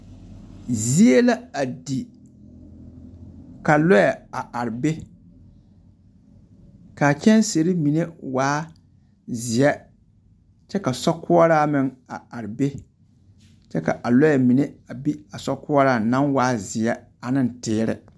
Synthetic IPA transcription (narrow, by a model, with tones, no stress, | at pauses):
zi˦e˦la˦a˨di˨ | ka˨lɔ˦jɛ˨a˨a˨ɾɪ˨be˦ | ka˨kʲɛ˦nse˨ɾi˦mi˨ne˦waː˦ | zɪ˨ɛ˦ | t͡ʃɛ˦ka˨sɔ˦kʊ˦ɔ˦ɾaː˦mɪ˦ŋa̰˨a˨ɾɪ˨be˦ | t͡ʃɛ˦ka̰˨ʔa˨lɔ˦ɛ˨mi˨ne˦a˨bi˦a˨sɔ˦kʊ˦ɔ˦ɾaː˨na˦ŋwaː˦zɪ˨ɛ˦ | a˨nɪ˦n˨tɪː˦ɾɪ̰˨